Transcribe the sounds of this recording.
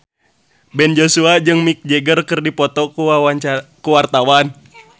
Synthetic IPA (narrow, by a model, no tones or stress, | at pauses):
bɛnd͡ʒosuad͡ʒɨŋmik̚d͡ʒɛɡərkɨrdipɔt̪ɔkuaaakuwart̪awan